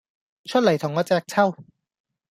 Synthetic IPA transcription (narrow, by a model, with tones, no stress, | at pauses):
t͡ʃʰɵ˥t̚lɐ˨˩jt̪ʰʊ˨˩ŋɔː˨˧t͡sɛː˧k̚t͡sʰɐ˥˩w